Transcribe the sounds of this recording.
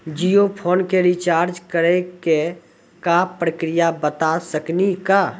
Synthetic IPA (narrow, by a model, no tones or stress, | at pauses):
d͡ʒijopʰoːnkeɾit͡ʃaːɾd͡ʒkəɾeke | kapɾəkɾijabət̪asəknika